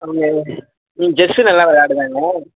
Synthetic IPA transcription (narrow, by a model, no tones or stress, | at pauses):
ɐʋɯŋɡɐ | ĩd͡ʒɛsɯnɐlːãːʋɐɻaːɽɯʋaːŋɡɐ